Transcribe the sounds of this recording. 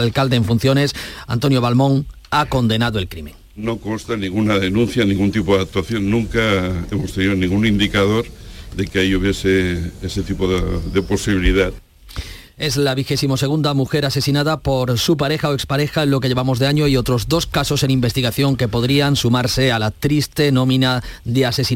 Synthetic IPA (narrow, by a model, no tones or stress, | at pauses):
lkald̪eːɱfun̟θjo̞ne̞sa̰nt̪o̞njo̞β̞almõ̞ŋ | ako̞nd̪e̞naðoe̞lkɾimẽ̞ŋ | noko̞nst̪anĩŋɡunaðenũn̟θjanĩŋɡunt̪ipoðak̚t̪waθjo̞nːũŋkaemost̪eniðonĩŋɡunind̪ikað̞o̞ɾðe̞keaiuβje̞seeset̪ipoðe̞po̞siβiliða | e̞zlaβ̞ixe̞simo̞se̞ɣ̞und̪amuxe̞ɾase̞sinaðapo̞ɾsupaɾe̞xaoekspaɾe̞xaenlo̞ke̞ʎe̞βamo̞zðe̞aɲoio̞t̪ɾo̞zd̪o̞skaso̞se̞nimbe̞st̪iɣaθjo̞ŋke̞po̞ðɾiansumaɾse̞alat̪ɾist̪e̞nõ̞mĩnaðease̞si